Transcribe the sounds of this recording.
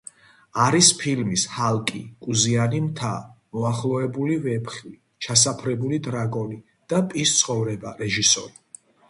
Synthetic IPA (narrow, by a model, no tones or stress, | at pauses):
aɾispʰilmishalkʼikʼuzianimt̪ʰamɔaχlˠɔɛbulivɛpʰχi | t͡ʃʰas̬apʰɾɛbulid̪ɾaɡɔni | d̪̥apʼist̪sʰχɔvɾɛbaɾɛʒisɔ̰ɾi